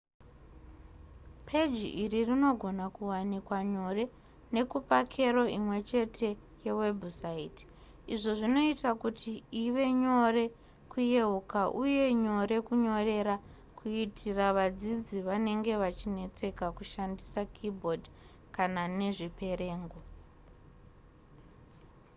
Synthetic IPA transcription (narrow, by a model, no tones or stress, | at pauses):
pʰed͡ʒiʔiririno̞ɡʱo̞nakuwanikwaɲo̞re̞ | ne̞kupakʰe̞ro̞imwe̞t͡ʃe̞tʰe̞ | jewe̞bsait | iʐo̞ʐino̞itakutʰiiʋe̞ɲo̞re̞ | kuje̞ukaʔuje̞ɲo̞ɾe̞kuɲo̞re̞ɾa | kuitʰiraʋad͡zid͡ziʋane̞ŋɡe̞ʋat͡ʃine̞t͡se̞kakuʃandisakʰibʱo̞dʱ | kanane̞ʐipe̞ɾe̞ːŋɡo